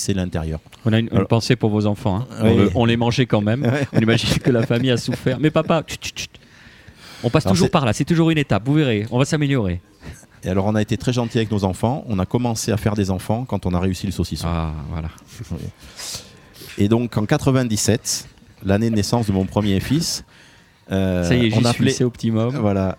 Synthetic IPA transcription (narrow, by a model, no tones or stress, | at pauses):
sɛlɛ̃t̪eʁjœːʁ | ɔ̃naynʔ̪pɑ̃sepuʁvozɑ̃fɑ̃ɛ̃ɔ̃ləɔ̃lɛmɑ̃ʒekɑ̃mɛmɔ̃nimaʒinkəlafamijasufɛʁmɛpapat̪y̥t̪y̥t̪y̥t̪ | ɔ̃past̪uʒuʁpaʁlasɛt̪uʒuʁynet̪apvuveʁeɔ̃vasameljɔʁe | ealɔʁɔ̃naet̪et̪χɛʒɑ̃t̪iavɛknozɑ̃fɑ̃ɔ̃nakɔmɑ̃seafɛʁd̪ezɑ̃fɑ̃kɑ̃t̪ɔ̃naʁeysiləsosisa̰vwa̰la̰ | wɛ̰ | ed̪ɔ̃kʰɑ̃kat̪χəvɛ̃d̪isɛt̪ | lanenesɑ̃sd̪əmɔ̃pχəmjefis | øsajɛʒɔ̃npleseopət̪imɔmvwala